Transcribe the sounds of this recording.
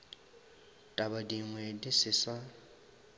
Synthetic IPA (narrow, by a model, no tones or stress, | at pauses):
tʼabadiŋwɛdisɪsa